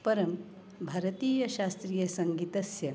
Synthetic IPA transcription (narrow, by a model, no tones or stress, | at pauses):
pɐɾɐm | bʱɐɾɐt̪iːjɐʃaːst̪ɾijɐsɐŋɡit̪ɐsjɐ